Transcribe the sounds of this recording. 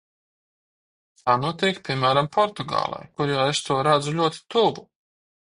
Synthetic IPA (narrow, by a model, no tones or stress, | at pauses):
t̪ʰaːnuɔt̪iːkpʲiɛmæːɾampʰɔɾt̪uɡɑ̰ːlˠa̰jkuɾjaːest̪uɔɾad̪zulʲuɔt̪i̥t̪ubu